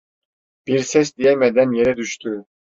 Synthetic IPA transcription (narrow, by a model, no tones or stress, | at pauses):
b̥iɾsɛs̬d̪ijɛmɛd̪ɛnjeɾɛd̪yʃt̪ʰy